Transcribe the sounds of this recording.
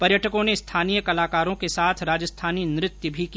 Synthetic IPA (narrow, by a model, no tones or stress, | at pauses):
pɐɾjəʈʰəkõnest̪ʰaːniːjəkɐlaːkaːɾõkesaːt̪ʰɾaːd͡ʒəst̪ʰaːninɾɪt̪jəbʱiki